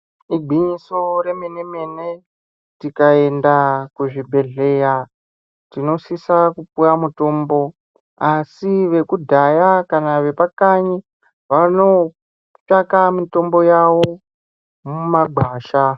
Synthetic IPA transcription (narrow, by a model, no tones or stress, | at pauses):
iɡ͡ǃʱiɲiso̞ɾe̞mene̞mene | tikae̞ndakuʐibʱe̞ɮe̞ja | tino̞sisakupujamuto̞ːmbo̞ | asiʋe̞kudʱajakanaʋe̞pakaɲi | ʋano̞ | t͡ʃakamito̞mbo̞jawo | mumaɡʱwaːʃa